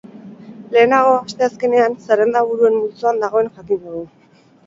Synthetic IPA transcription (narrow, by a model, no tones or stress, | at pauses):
le̞ːnaɣ̞o̞ast̪e̞aske̞ne̞ansaɾend̪aβ̞uɾue̞mmult͡suand̪aɣ̞o̞e̞nʝakind̪uɣu